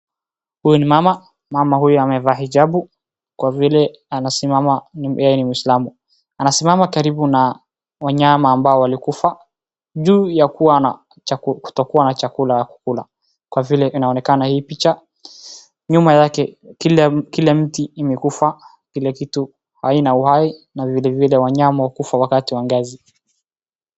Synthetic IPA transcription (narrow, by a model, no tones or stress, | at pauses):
hujɔnimama | mamahujɔamɛvaːɦid͡ʒabu | kwavilɛ | anasimamanjajɛnimuislamu | anasimamakaɾibuna | waɲamaːmbaɔwalikufa | ʄuːjakuwana | ku̥tɔkuwanat͡ʃakulajaku̥kula̰ | kwavilɛʔinaɔnɛkanahiːpit͡ʃa | ɲumajakɛilkilɛm̩tiːmɛkufa | kilɛkitu | hainauhainavilɛvilɛwaɲamawakufawakatiwaŋɡazi